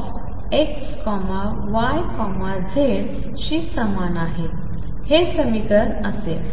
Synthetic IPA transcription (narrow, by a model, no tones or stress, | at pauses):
f | ekskɔma | ʋajkɔmad͡zʱeɭ | ɕisəmanaɦe | hesəmit̪ənəse